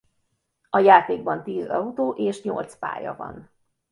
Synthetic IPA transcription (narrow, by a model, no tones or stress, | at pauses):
ɒjaːt̪eːɡ̚bɒnt̪iːzɒut̪oːʔeːʃɲo̰lt̪spa̰ːjɒ̰vɒ̰n